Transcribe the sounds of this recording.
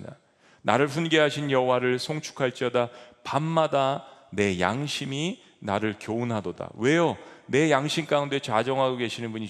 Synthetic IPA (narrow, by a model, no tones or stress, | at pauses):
da | na̰ɾɯɭɸunɡe̞ɦaɕʰinjʌɦowaɾɯɭsʰoŋt͡ɕʰu̥kʰaɭt͡ɕ͈iʌdapamːadane̞ja̰ŋɕʰimi | naɾɯɭkjonɦadoda̰we̞jone̞jaŋɕʰimk͈aunde̞t͡ɕad͡ʑʌŋɦaɡoɡe̞ɕʰinɯnbuɲi